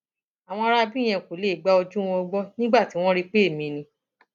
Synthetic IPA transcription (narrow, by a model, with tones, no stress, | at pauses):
a˨w̃ɔ̃˧ɾa˧bi˦˨j̃ɛ̃˧˨ko˨le˨˦˨ɡ͡ba˦o˧d͡ʒũ˦w̃ɔ̃˧ɡ͡bɔ˦nĩ˦ɡ͡ba˦˨ti˨˦w̃ɔ̃˦ɾi˦˧k͡pe˦e˦˨mĩ˧nĩ˧